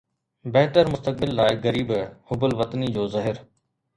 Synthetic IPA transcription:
bɛɦʈəɾmʊst̪ək̚bɪlːaːɪɡɐɾiːbhʊbəlʋɐt̪ənid͡ʑoːzɐɦɪɾ

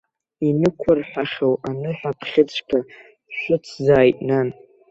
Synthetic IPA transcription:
inɨkʷʰʊrħʷᶣaχʲowanɨħʷᶣapʰχʲɪt͡sʷʰʼkʰa | ʃʷʊt͡sʰzaːjtʼnan

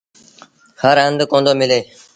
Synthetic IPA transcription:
həɾɦə̃nd̪əkõnd̪oːmɪleː

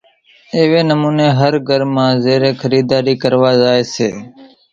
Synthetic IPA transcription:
eːʋeːnəmuːneːɦəɾɡʱəɾmãːzeːɾeːkʰəɾiːd̪aːɾiːkəɾʋaːzaːeːseː

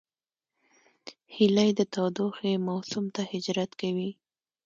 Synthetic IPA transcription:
hilajd̪ət̪ɑd̪oxemawsʊmt̪ahɪd͡ʒɾat̪kawi

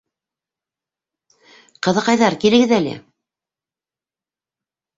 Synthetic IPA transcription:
qɤ̆ðɤ̆qɑjðɑɾkilɘ̆ɡɘðælɘ̰

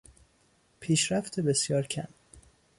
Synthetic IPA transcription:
pʰiːʃɾæft̪ʰebe̞sjɒːɾcʰæ̰m

